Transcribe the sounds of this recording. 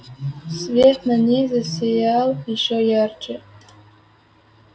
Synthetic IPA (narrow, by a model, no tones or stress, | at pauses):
svʲet̪nanʲizasʲejaliʃojard͡ʒe